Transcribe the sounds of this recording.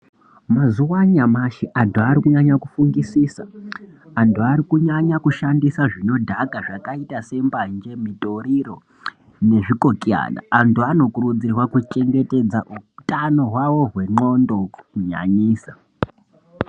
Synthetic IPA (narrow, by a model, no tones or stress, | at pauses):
mazuwaɲamaʃiʔantuaɾikuɲaɲakufuŋɡisiːsa | antuaɾikuɲaɲakuʃandisaʐino̞dʱakaʐakaitase̞mband͡ʒe̞mito̞ɾiro̞ | ne̞ʐiko̞kia̰na̰antuano̞kurud͡zirwakut͡ʃe̞ŋɡe̞te̞d͡zaʔutʼanoɦwawo̞ɦwe̞ŋ͡ǃo̞ndo̞kukuɲa̰ɲiːsa